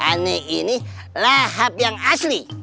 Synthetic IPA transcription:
aneʔini | laɦap̚jaŋasli

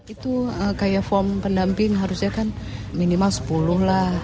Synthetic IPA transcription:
it̪uəkajafɔmpəndampɪŋɦaɾusɲakan | minimalsə̥puluhlah

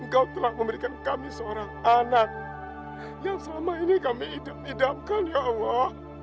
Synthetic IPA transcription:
əŋkauwt̪əlak̚məmbəɾikankamisəoɾaŋanak̚ | jaŋsəlamainikamiːdamidamkanjaʔwa

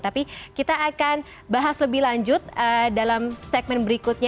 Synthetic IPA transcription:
t̪apikit̪aːkan | baɦasləbɪhlaɲd͡ʒʊt̪̚ədalamsɛɡ̚mɛnbəɾikʊt̪̚ɲa

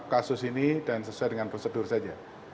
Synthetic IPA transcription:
kasʊsinidansəsuadəŋanpɾosədʊrsad͡ʒa

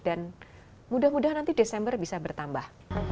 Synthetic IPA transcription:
dan | mudahmudahnant̪idesɛmbərbisabərt̪ambah

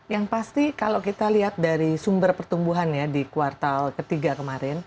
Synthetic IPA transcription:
jaŋpast̪ikalawkit̪aliɦat̪̚daɾisumbərpərt̪umbuɦanjadikwart̪alkət̪iɡakəmaɾɪn

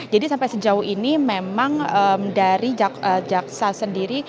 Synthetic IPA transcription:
d͡ʒadisampajsəd͡ʒauhinimemaŋəmdaɾid͡ʒaəd͡ʒak̚sasəndiɾi

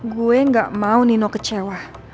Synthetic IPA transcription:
ɡueŋɡaʔmauninokət͡ʃewa

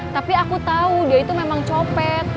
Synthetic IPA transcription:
t̪apiakut̪audiait̪umemaŋt͡ʃopɛt̪̚

